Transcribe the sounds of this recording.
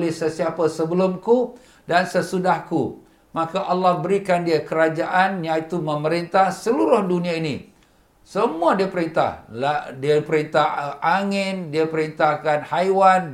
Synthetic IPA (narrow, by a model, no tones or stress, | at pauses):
lɪhsəsiapasəbəlʊmku | dansəsudahku | mãkaʔɑlːɑhbəɾikandiəkəɾad͡ʒaʔanjãit̪umə̃məɾint̪ahsəluɾʊhdunĩainḭ̃ | səmũadiəpəɾint̪a̰hladiapəɾint̪ahaŋɪndiəpəɾint̪ahkanhajwan